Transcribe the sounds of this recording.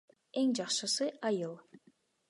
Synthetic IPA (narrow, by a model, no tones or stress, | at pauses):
eŋd͡ʒɑqʃɯsɯʔɑjɯlˠ